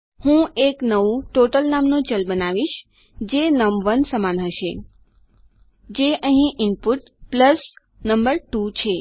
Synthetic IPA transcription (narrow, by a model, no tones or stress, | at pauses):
hũeknəʋũʈoʈəlnamnot͡ʃəlbənaʋiʃ | d͡ʒenəmʋənsəmanɦəʃe | d͡ʒeʔəɦĩʔɪnpuʈ | pləs | nəmbəɾʈut͡ʃʰe